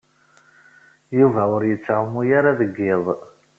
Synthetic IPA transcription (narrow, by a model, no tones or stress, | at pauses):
juvæwəɾjət͡sːaʕəmujaɾaðəɡːɪðˤ